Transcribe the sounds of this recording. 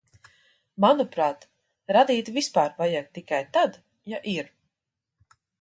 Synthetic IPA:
manupɾaːt̪ | ɾad̪iːt̪vispaːɾvajak̚t̪ikajt̪ad̪ | jaʔiɾ

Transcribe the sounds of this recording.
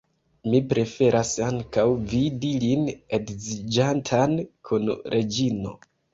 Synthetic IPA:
mipɾe̞fe̞ɾʔasaŋkawvidilinedzid͡ʒantʰankʰunɾʔe̞d͡ʒino̞̰

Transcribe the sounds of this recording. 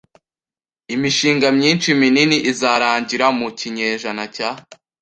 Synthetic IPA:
imiʃiːŋɡamɲiːnt͡ʃimininiʔizaɾaːɲɟiɾamuciɲeʒanaca

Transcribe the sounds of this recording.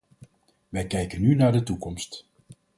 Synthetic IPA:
ʋɛjkɛjkənːynaːɹdətukɔmst

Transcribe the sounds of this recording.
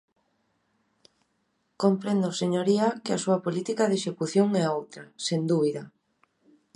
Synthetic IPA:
kompɾend̪oseɲoɾiakɪasuɐpolit̪ikaðeʃekuθjoŋɛowt̪ɾɐsend̪uβiða

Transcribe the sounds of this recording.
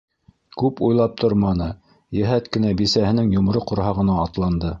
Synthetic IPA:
kʉpujlˠɑp̚t̪ʰoɾmɑnɤ | jɘ̆ɦæt̪kɘ̆næbisæhɘ̆nɘŋjŏm̆ɾɤqŏɾhɑʁɤ̆nɑːt̪lˠɑnd̪ɤ

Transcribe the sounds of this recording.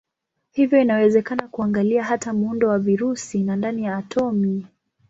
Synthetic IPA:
hivjɔinawɛzɛkanakuaŋɡaliaɦatamuundɔwaviɾusinandanijaːtʰɔmi

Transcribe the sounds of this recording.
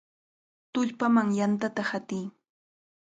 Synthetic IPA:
t̪ʊʎpamaŋjant̪at̪ahat̪ɪj

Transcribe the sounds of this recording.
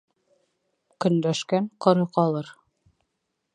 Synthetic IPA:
kɵ̆nd̪æʃkæɴqŏɾɤqɑlˠɤɾ

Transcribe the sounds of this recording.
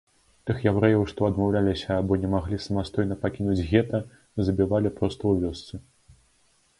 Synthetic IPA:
t̪ɨxjawɾɛjɐwʂt̪ɔɐd̪mawlʲalʲisʲɐːbɔnʲɛmaɣlʲisɐmast̪ɔjn̪ɐpakʲinud͡zʲɣʲɛt̪ɐ | zɐbʲivalʲipɾɔst̪ɐwvʲɔst̪sɨ

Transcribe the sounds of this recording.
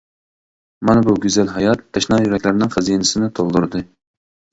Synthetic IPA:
mɑnɨbuɡʲyzælɦɑjɑt̪ːɛʃnɑjyɾɛkʲlæɾnɪŋχæzijnɪsɪnɪt̪ʰolˠd̪uɾd̪ɨ

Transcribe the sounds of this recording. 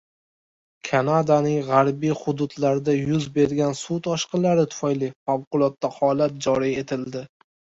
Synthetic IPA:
kʰanad̪anɪŋʁaɾbijχʊd̪ʊd̪laɾd̪ajʊzbe̞ɾɡʲansut̪ʰɒʃqɨnlaɾɪt̪ʰʊ̥fajlifawqʊlˠɒt̪ːahɒlat̪̚d͡ʒɒɾije̞t̪ʰɪld̪ɪ

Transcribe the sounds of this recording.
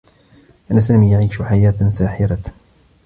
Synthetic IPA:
ʔanːasaːmiːjaʕiːʃʊħajaːt̪saːħɪɾa

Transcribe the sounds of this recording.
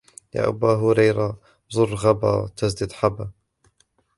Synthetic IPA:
ja̰ːʔa̰baːɦʊɾajɾa | zˤʊrːɣaba̰t̪asd̪ɪd̪ħaba

